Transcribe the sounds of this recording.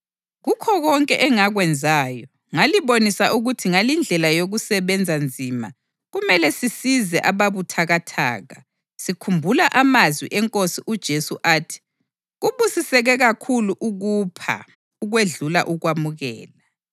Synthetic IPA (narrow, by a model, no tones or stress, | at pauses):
ɣukʰɔɣɔŋkʼɛʔɛŋaɣwɛnd͡zʱaːjɔ | ŋaliβonisaʔuɣutʰiŋalind͡ɮʱɛlajoɣusɛβɛnd͡zʱand͡zʱima | ɣumɛlɛsisizɛʔaβaβutʰaɣatʰa̰ːɣa | sikʰumbʱulaʔamazwḭʔɛŋkʼosiʔud̥ʒ̥ʱesuʔaːtʰi̥ | ɣuβusisɛɣɛɣakʰuluʔuɣupʰa̰ | uɣweɮula̰ʔuɣwamuɣɛ̰ːla